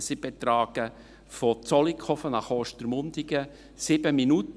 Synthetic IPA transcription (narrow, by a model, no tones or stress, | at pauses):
sɪb̥etɾɑːɡ̥ə | fɔt͡sɔlikʰɔfənɑχoːʃtəɾmʊndɪɡə | sɪbəminut